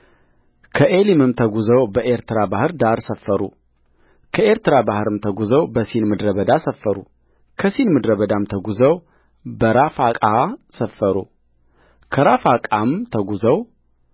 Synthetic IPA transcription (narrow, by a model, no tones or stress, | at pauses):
kʰəʔelimɨmt̪ʰəɡuzəwbəʔeɾt̪ɨɾabahɨɾd̪aɾsəfːəɾṵ | kʰəe̞ɾt̪ɨɾabahɨɾɨmt̪ʰəɡuzəwbəsinmɨd̪ɾəβəd̪asəfːəɾu | kʰəsinmɨd̪ɾəβəd̪amt̪ʰəɡuzəw | bəɾafakʼasəfːəɾu | kʰəɾafakʼamt̪ʰəɡuzəw